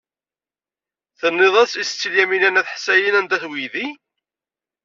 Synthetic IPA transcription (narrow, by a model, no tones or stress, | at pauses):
θənːeðˤæsist͡sːilːæmilænæθħsæjənænd̪æθwiði